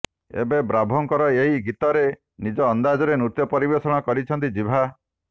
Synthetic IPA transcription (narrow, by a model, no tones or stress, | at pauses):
ḛbebɾabʱɔŋkɔɾɔeɦiɡit̪ɔɾe | nid͡ʒɔːnd̪ad͡ʒɔɾenɾut̪jɔpɔɾibesɔɽ̃ɔkɔɾit͡ʃʰɔnt̪id͡ʒibʱa